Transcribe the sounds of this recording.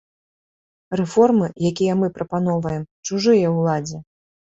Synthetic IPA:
rɛfɔrmɨjakʲijɛmɨpɾɐpanɔvɐjɛmt͡ʂuʐɨjɐwlˠad͡zʲɛ

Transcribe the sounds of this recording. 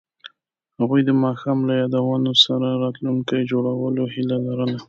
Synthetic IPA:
haɣujd̪əmɑxɑmlajɑd̪awɑnosaɾaɾɑt̪luŋkajd͡ʒoɽawəlohilalaɾəna

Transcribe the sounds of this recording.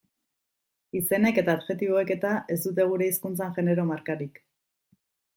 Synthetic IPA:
ise̞ne̞ke̞t̪aːdʝe̞t̪iβ̞o̞e̞ke̞t̪aʔe̞zd̪ut̪̬e̞ɣ̞uɾe̞iskunt͡saŋʝe̞ne̞ɾo̞maɾkaɾik

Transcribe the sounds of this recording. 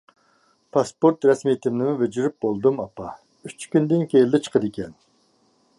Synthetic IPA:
pʰɑspoɾt̪ɾɛsmit̪ʰɪmnɪmuved͡ʒyɾyp̚bolˠd̪ɨmɑpɑ | yt͡ʃkʲynd̪ɪnkʲejld̪ɪt͡ʃʰə̥qʰəd̪ɪkʲʰɛn

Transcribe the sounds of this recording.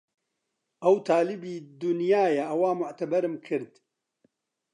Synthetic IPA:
ʔɐwt̪ʰaːlɪbiːd̪ʊnjaːjɐʔɐwaːmʊʕt̪ɐbɐɾɨmkʰɨɾd̪

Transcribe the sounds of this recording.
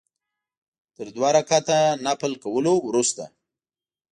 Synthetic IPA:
t̪əɾd̪wɑɾakat̪anapəlkawəlowɾust̪a̰

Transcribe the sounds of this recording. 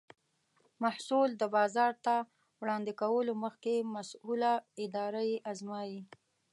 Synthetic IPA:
mahsuld̪əbɑzɑɾt̪a | wɽɑnd̪ɪkawəloməxkemasulaɪd̪ɑɾajeʔazmɑji

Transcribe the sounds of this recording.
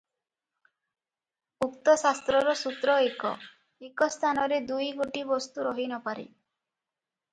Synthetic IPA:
ukt̪ɔsast̪ɾɔɾɔsut̪ɾɔekɔ̰ | ekɔst̪ʰanɔɾed̪ujɡoʈibɔst̪uɾɔɦinɔpaɾḛ

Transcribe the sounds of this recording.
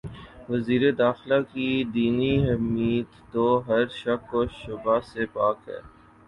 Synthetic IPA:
ʋɐziːɾed̪aːxlakid̪iːniɦɐmiːd̪oɦɐɾʃɐkoʃʊbasepaːkɦɛ̰ː

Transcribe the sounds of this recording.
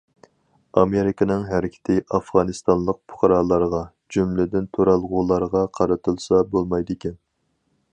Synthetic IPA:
ɑmeɾɪkʰənɨŋɦæɾɪkʲʰɪ̥t̪ʰɪʔɑfʁɑnɨst̪ɑnlˠəq̚pʰʊ̥χʰɑɾɑːlˠɑɾʁɑ | d͡ʒymlɪd̪ɪnt̪ʰoɾɑlˠʁʊlˠɑɾʁɑqʰɑɾɨt̪ʰɨlˠsɑbolˠmɑjd̪ɪkʲɛn

